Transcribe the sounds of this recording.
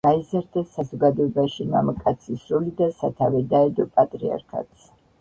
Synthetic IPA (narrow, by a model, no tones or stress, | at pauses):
ɡ̥aizaɾd̪asazɔɡad̪ɔɛbaʃima̰makʼat̪sʰisɾɔlid̪asat̪ʰavɛd̪aɛd̪ɔpʼat̪ʼɾia̰ɾkʰa̰t̪sʰ